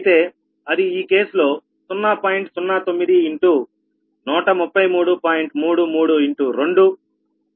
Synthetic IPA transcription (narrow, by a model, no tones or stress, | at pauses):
t̪e̞ː | ɐd̪iiːke̞ːsulo̞ː | sunːɐpaːjiɳʈsunːaːt̪o̞mːid̪iiɳʈuː | nuːʈɐmupːɐjmuːɽupaːjiɳʈmuːɽumuːɽuiɳʈuɾeɳɖu